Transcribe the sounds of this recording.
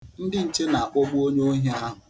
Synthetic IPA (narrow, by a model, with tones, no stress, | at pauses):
n̩˦dɪ˦n̩˨t͡ʃe˦na˨a˨k͡pʊ˦ɡ͡bu˦o˦ɲe˦o˦ɦa˦ɦʊ˨